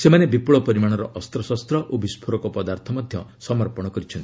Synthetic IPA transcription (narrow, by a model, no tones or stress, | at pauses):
semanebipuɭɔpɔɾimaɽ̃ɔɾɔʔɔst̪ɾɔsɔst̪ɾɔʔobispʰoɾɔkɔpɔd̪aɾt̪ʰɔmɔd̪ʱjɔsɔmɔɾpɔɽ̃ɔkɔɾit͡ʃʰɔnt̪i